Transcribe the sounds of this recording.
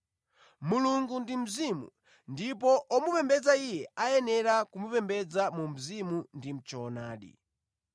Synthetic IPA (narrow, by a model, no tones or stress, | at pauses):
muluŋɡundim̩zimṵ | ndip̬ɔʔɔmupɛmbɛd͡zaijɛajɛnɛɾakumupɛmbɛd͡zamum̩zimundim̩t͡ʃɔːnaːɗḭ